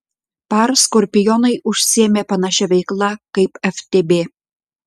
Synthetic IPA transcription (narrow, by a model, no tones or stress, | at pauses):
pɑrskorʲpʲɪjonɐɪʔuʃʲsʲiemʲepɑnɑʃʲæβʲɛɪklˠɑkɐɪpæft̪ʲebe